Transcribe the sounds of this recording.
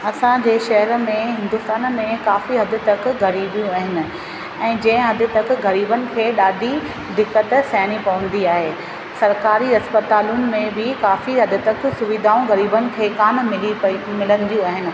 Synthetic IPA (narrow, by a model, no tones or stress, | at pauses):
ɐsãd͡ʑeːʃɐɦɛɾmẽɦɪ̃nd̪ʊst̪aːnmẽkaːfiɦɐd̪ʱɪt̪ɐk̆ʰɣɐɾiːbijũaːɦɪnɪ̆ | ɛ̃ːd͡ʑɐ̃ɪ̃ɦɐd̪ɪ̆t̪ɐkʰɪ̆ɣɐɾiːbənɪ̆kʰeːɗaːd̪ʱi | d̪ɪkːət̪sɛːnipɐʋə̃n̆d̪iaːɦeː | sɐɾkaːɾiɐspɐt̪aːlʊnɪ̆mẽbɪkaːfiɦɐd̪ɪt̪ɐksʊʋɪd̪ʱaːũɣɐɾiːbənɪ̆kʰeːkaːnmɪlimɪlə̃nd̪ijũaːɦɪnɪ̆